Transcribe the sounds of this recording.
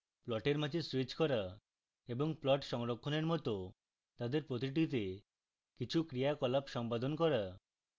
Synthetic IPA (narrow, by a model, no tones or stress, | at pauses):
plɔʈeɾmad͡ʑʰʱeswit͡ɕkɔɾa | eboŋplɔʈʃɔŋɾokʰːoneɾmɔt̪o | t̪ad̪eɾpɾot̪̬iʈ̬it̪̬e | kit͡ɕʰukɾijakɔlapʃɔmpad̪onkɔɾa